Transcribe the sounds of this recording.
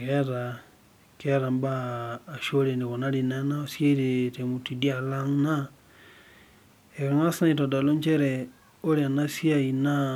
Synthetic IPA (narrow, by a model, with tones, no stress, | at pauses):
ke˦ɾa˨ | keɾa˨mbaː˦˨ʃo˦ɾe˨ne˨ɣo˨na˦ɾi˨na˦na˦osja˦iɾete˨mu˨ti˨di˦a˨la˦ŋna˦ | e˨ka˨ŋa˦sna˦i˨to˨da˨lo˦ɲt͡ʃe˦ɾe | o˦ɾia˨na˦sja˦i˨na˦